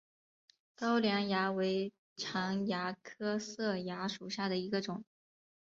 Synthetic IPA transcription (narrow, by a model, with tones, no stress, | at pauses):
t̪ɑ˥ʊljɑ˧˥ŋja˧˥we˧˥ɪ | ʈ͡ʂʰɑ˧˥ŋja˧˥kʰɤ˥sɤ˥˩ja˧˥ʂu˨˩ɕja˥˩d̪ə˩i˧˥ɡə˧ʈ͡ʂʊ˨˩˦ŋ